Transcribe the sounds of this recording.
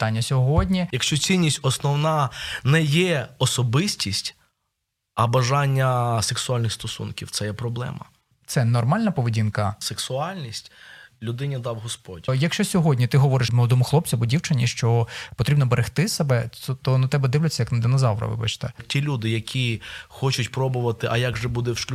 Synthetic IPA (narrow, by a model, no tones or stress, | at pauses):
t̪ɑnʲːɐsʲɔɦɔdʲnʲijɐkʃt͡ʃɔsʲinʲːisʲtʲɔsnɔwnɑnɛjɛɔsɔbɪsʲtʲisʲtʲ | ɐbɐʒɑnʲːɐseksʊɑlʲnɪxst̪ɔsṵnkʲiwt̪sɛjɛpɾɔblˠɛ̰mɐ̰ | t̪sɛnɔrmɑlʲnɐpɔʋedʲinkɐseksʊɑlʲnʲisʲtʲlʲʊd̪ɪnʲid̪ɑwɦɔspɔdʲjɐkʃt͡ʃɔsʲɔɦɔdʲnʲit̪ɪɦɔʋɔɾɪʃmlˠɐd̪ɔmʊxlˠɔp̚t͡sʲɐbʊdʲiwt͡ʃɐnʲiʃt͡ʃɔpɔt̪ɾʲibnɔbeɾʔext̪ɪsebɛt̪ɔnɐt̪ɛbɛd̪ɪwlʲʊt͡sʲːɐjɐknɐd̪ɪnɔzɑlˠɾɐ̰ʋɪ̰bɐ̰t͡ʃt̪ɛtʲilʲud̪ɪjɐkʲʰixɔt͡ʃʊtʲpɾɔbʊʋɐt̪ɪʔɐjaɡʒɛbud̪ɛwʃkʲ